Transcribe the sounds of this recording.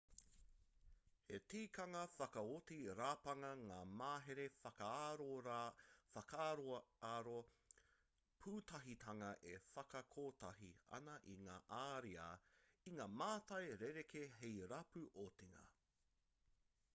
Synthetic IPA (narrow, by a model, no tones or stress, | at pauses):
hetiːkɐŋɐfɐkɐotiɾaːpɐŋɐŋaːmaːɦeɾefɐkɐaɾo | fɐkʰaːɾoɐaːɾo | pʰuːtʰɐɦitʰɐŋɐʔefɐkɐkʰoːtɐɦiɐ̰nɐʔiŋaːʔaːɾiɐ̰iŋaːmaːtɐjɾeɾekʰeɦejɾɐpʉʔotiŋɐ̰